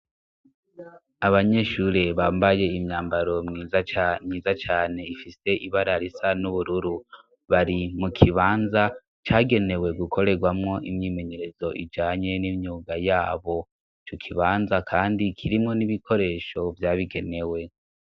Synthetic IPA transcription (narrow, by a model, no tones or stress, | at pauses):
aβaɲe̞ʃuɾeβaːmbaje̞imɲaːmbaɾo̞imɲiːzat͡ʃaːne̞ifise̞ʔiβaɾaɾisanuβuɾuɾu | βaɾimukʰiβaːnza | t͡ʃaːɡe̞ne̞we̞ɡukʰo̞ɾe̞ɡwamŋo̞ʔimɲiːme̞ɲe̞ɾe̞zo̞ʔḭd͡ʒaːɲe̞nimɲuːɡajaːβo̞ | t͡ʃukʰiβaːnzakʰaːndikʰiɾimŋo̞niβikʰo̞ɾe̞ːʃo̞vjaːβiɡe̞ne̞we̞